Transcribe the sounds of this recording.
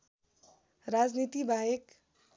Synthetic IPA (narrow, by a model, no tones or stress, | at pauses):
rad͡znit̪ibʱaek